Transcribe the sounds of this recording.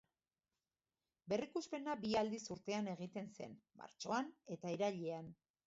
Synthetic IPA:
be̞rikuspe̞nabiald̪isuɾt̪e̞ane̞ɣ̞it̪e̞nse̞̰nma̰ɾt͡ʃo̞ane̞t̪aiɾaʎean

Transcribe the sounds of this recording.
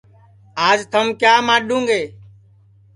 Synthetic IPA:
aːd͡ʒt̪ʰəmkjaːmaːɗũːŋɡeː

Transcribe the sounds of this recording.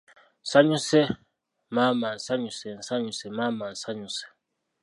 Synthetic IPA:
saɲũsɛ | mamansaɲusɛnsaɲusɛmamansaɲũsɛ̥

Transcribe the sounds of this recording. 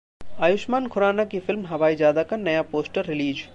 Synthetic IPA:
aːjʊʃmaːnkʰʊɾaːnakifɪlmɦɐʋaːizjaːd̪akɐnːɐjapoːsʈəɾːɪliːd͡ʒ

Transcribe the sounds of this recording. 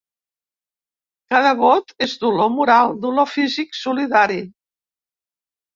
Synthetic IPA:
kaðəβot̪ezd̪ulomuɾalˠd̪ulofiziksuliðaɾi

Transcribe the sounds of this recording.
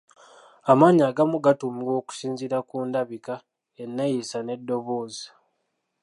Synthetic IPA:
amaːɲaːɡamuɡatumio̞ːku̥siːnziɾakuːndaβika | enːejisane̞dːo̞βo̞ːzi

